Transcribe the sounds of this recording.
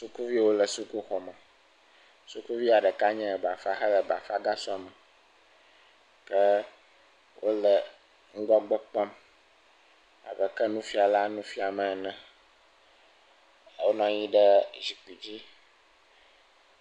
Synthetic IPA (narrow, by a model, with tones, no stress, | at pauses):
su˦ku˦vi˦˨wo˦lə˨su˦ku˦xɔ˨mə̃˨ | su˦ku˦vi˦a˨ɖə˨ka˦ɲɛ̃˦˨ba˨fa˦xɛ˦lə˨ba˨fa˦ɡa˦sɔ˦mɛ̃˨ | kə˦ | wʔo˦lə˨ | ŋ̩˦ɡɔ˦m˦ɡ͡bɔ˦k͡pɔ˦m | a̰˨bɛ˦kɛ˦nũ˦fi˦a˨la˦nũ˦fi˦a˨mɛ̃˨nɛ̃˨ | wo˦nɔ̃˦ɲĩ˦ɖə˦zi˨k͡pi˨d͡ʑi˦